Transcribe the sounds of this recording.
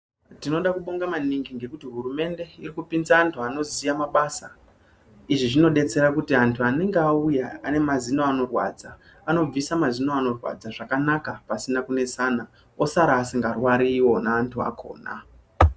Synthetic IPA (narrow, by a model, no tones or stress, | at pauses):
tino̞ɗakuɓo̞ŋɡamaniŋɡiŋɡe̞kutiɦuɾume̞nde̞irikupinzaːntʰuano̞zijamaɓasa | iʐiʐino̞ɗe̞t͡se̞ɾakutiantʰuane̞ŋɡeaujaane̞mazino̞ano̞rwa̰d͡za | ano̞b͡visamazinoano̞rwa̰d͡zaʐakanakapasinakune̞sana | osaɾaːsiŋɡarwaɾiwo̞naːntʰua̰kʰo̞̰ːna̰